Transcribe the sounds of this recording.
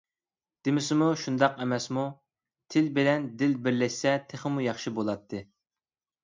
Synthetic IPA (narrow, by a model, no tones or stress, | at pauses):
d̪̥ɪmɪsɪmuʃund̪ɑqɛmɛsmu | t̪ʰɪlbɪlɛnd̪ɪlbɪɾlɛʃsɛt̪ʰeχəmujɑχʃibolˠɑt̪ʰːɨ